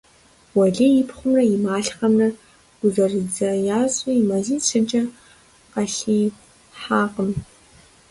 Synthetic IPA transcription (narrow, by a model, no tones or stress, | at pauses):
wɐɮiːjɪpʰχʷʊmrɐjɪmaːɬχɐmrɐ | ɡ̥ʷʊzɐrid͡zɐjaːɕʼɐimɐziːt͡sʰɨd͡ʒʼɐ | qɐɬiː | ħaːqəm